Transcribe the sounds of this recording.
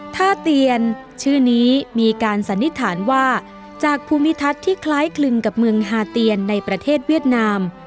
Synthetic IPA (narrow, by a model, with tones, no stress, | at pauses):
t̪ʰaː˥˩t̪i˧ən | t͡ɕʰɯː˥˩niː˦˥miː˧kaː˧nsa˩˦nːi˦˥t̪ʰaː˩˦nwaː˥˩ | t͡ɕaː˨˩k̚pʰuː˧mi˦˥t̪ʰa˦˥t̪ʰːiː˥˩kʰlaː˦˥jkʰlɯ˧ŋka˨˩p̚mɯ˧əŋɦaː˧t̪i˧ənːa˧jpɾa˧t̪ʰeː˥˩t̪̚wi˥˩ət̪̚naː˧m